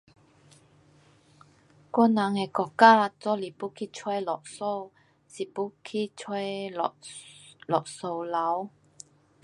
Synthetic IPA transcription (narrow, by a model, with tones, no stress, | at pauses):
kɔ˥nːa˨˦ŋe˧˩kɔ˧˨kːaː˥t͡sɔ˧˥li˨˩pu˦˥kʰi˥t͡sʰwɛ˥˦lɔ˨k̚so˥˩w | si˨˩pu˦˥kʰi˥t͡sʰwɛ˥˨ | lɔ˨k̚so˨˩wla˨˦w